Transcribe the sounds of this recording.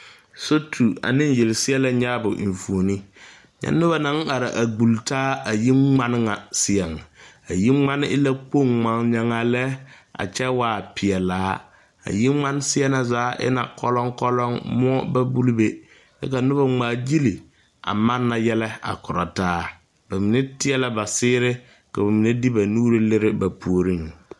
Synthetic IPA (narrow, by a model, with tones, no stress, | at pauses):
so˦tʰu˨a̰˨nɪ˦n˦je˨lɪ˨sɪ˦ɛ˦lɛ˦ɲaː˦bʊ̰˨ɱ̩˨fu˨ni˦ | ɲa̰˨nʊ˦βa˦na˨˦ŋ˦a˨ɾa˨ʔa˨ɡ͡bu˨ltaː˦a˨ji˦ŋ͡ma˦n˦ŋa˨sɪ˦ɛ˨ŋa˨ | a˨ji˦ŋ͡ma˦nɪ˦ɪ˦la˦k͡po˦˨ŋŋ͡ma˨˦ŋɲa˨ŋa˨lɛ˦ | a̰˨t͡ʃɛ˦waː˨pɪ˨ɛ˨laː˨˦ | a̰˨ji˦ŋ͡ma˦n˦sɪ˦ɛ˦na˨zaː˨˦ʔɪ̰˦na̰˨kɔ˦lɔ˦ŋkɔ˦lɔ˦ŋmʊ˦ɔ˦ba˦bu˦lbe˦ | dɛ̰˦ka˨nʊ˦ba˦ŋ͡maː˨d͡ʒi˦li˨ | a̰˨ma˦nːa˨jɛ˦lɛ˦a̰˨kʊ˨ɾɔ˨taː˦ | b̥a˨mi˨nɛ˦tɪ˦ɛ˦la˦ba˨sɪː˦ɾɪ˦ | ka˨ba˨mi˨ne˦di˦ba˨nuː˦ɾɪ˦lɪ˦ɾɪ˦ba˨pu˨o˨ɾi˦ŋ˨